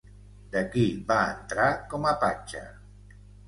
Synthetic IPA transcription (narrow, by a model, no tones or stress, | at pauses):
d̪əkiβaənt̪ɾakɔməpat͡ʃə̰